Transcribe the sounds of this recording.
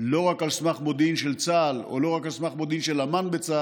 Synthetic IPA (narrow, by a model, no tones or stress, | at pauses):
lo̞ʁakalsmaχmod̪inʃelt͡salo̰lo̞ʁakalsmaχmod̪inʃelamanbet͡sa